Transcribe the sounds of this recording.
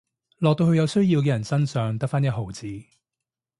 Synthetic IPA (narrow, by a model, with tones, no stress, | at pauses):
lɔ˨k̚t̪o˧whɵ˧jɐ˨˧wsɵ˥ɥjiː˧wk̬ɛː˧jɐ˨˩nsɐ˥nsœː˨˧ŋt̪ɐ˥k̚faː˥njɐ˥t̚ɦo˨wt͡siː˨